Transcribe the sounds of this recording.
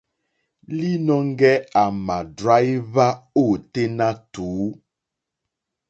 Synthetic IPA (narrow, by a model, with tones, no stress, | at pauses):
li˦nɔ˦ŋ˦ɡɛ˦a˨ma˨dɾa˦jβa˦o˦˨te˦na˦tuː˨˦